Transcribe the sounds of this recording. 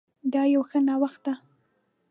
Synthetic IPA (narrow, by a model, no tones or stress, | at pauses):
d̪ɑjawxənɑwaxt̪̚d̪a